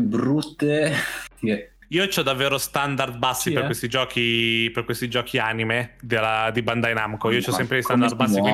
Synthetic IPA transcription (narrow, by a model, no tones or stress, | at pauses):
bɾut̪ːe | iːot͡ʃɔd̪avːeːɾost̪and̪ard̪̚basːiperkwest̪id͡ʒɔːkʰiperkwest̪id͡ʒɔːkʰiaːnimed̪elad̪iband̪ainamkoiːot͡ʃɔsɛmpɾedst̪ad̪ard̪basːi